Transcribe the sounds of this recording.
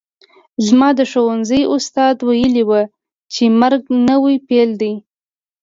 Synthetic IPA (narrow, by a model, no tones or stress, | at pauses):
zmɑd̪əʃowanzəjʊst̪ɑd̪wajəliwə | t͡ʃemaɾɡnəwijpeld̪ij